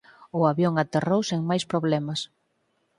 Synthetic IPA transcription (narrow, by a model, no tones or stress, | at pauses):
ʊaβjoŋat̪erowseŋmajspɾoβlɛmɐs